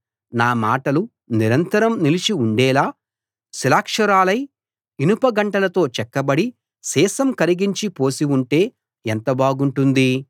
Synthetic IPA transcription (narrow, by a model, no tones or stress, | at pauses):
naːmaːʈɐlu | niɾɐnt̪ɐɾɐmnilit͡ʃiuɳɖɛːlaː | silaːkʂɐɾaːlɐj | inupɐɡɐɳʈɐlɐt̪o̞ːt͡ʃɛkːɐbɐɽi | sɛːsɐmkɐɾiɡiɲt͡ʃipo̞ːsiuɳʈe̞ː | ɛnt̪ɐbaːɡuɳʈund̪i